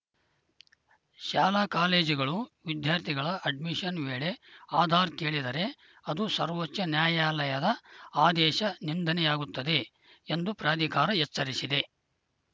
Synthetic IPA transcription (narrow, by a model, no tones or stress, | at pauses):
ʃaːlaːkaːleːd͡ʒiɡɐɭuʋid̪jaːɾt̪ʰiɡɐɭɐʔɐɖmiʃɐnʋeːɭe̞aːd̪ʱaːɾke̞ːɭid̪ɐɾe̞ | ɐd̪usɐɾʋot͡ʃːɐnjaːjaːlɐjɐd̪ɐaːd̪ɛːʃɐnind̪ʱɐnɛjaːɡut̪ːɐd̪e̞ | end̪upɾaːd̪ʱikaːɾɐɦɛt͡ʃːsɐɾisid̪e̞